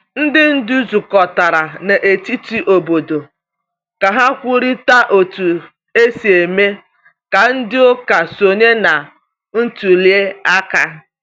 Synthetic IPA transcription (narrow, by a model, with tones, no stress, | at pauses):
n̩˦dɪ˦n̩˦du˦zu˨kɔ˨ta˨ɾa˨na˨ʔe˨ti˦ti˦ʔo˨bo˨do˨ | ka˨ɦa˦kʷʊ˦ɾi˦ta˦ʔo˨tu˨ | e˦si˨e˨me˦ | ka˨n̩˦dɪ˦o˦ka˨so˨ɲe˦na˨ | n̩˦tu˨li˦e˦a˦ka˦